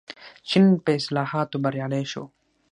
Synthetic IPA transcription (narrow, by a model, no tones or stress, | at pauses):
t͡ɕʰinpeɪslaːhaːt̪obɐɾjaːleːʃo̰